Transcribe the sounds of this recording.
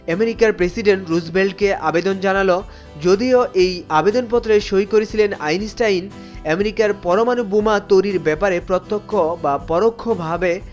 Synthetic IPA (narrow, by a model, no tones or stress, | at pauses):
ɛmeɾikaɾpɾesiɖeɳʈɾuzbelɖkeʔabed̪ond͡ʑanalo | d͡ʑod̪ioʔejabed̪onpɔt̪ːɾeʃojkoɾet͡ɕʰilena̰jnisʈajn | ɛmeɾikaɾpɔɾomanubumat̪ojɾiɾbɛpaɾepɾɔt̪ːokʰːobapɔɾokʰːobʱabe